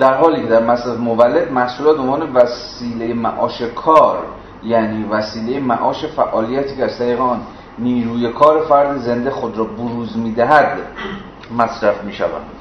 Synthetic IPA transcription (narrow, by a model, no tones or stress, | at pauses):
d̪̥æɾɦɒːliːkʰe̞d̪æɾmæsæt̪movælːe̞d̪mæhsuːlɒːt̪̚bonvɒːne̞væs | iːlejemæ̰ʔɒːʃe̞kʰɒːɾ | jæniːvæsiːle̞jemæ̰ʔɒːʃe̞fæʔɒːlijæt̪ʰiːcʰeæzst̪ʰæɾiːɣeɒːnː | iːɾuːje̞kʰɒːɾe̞fæɾd̪eze̞nd̪exod̪ɾɒːboɾuːzmiːd̪æɦæd̪ | mæsɾæfmiːʃæ̰væ̰nd̪̥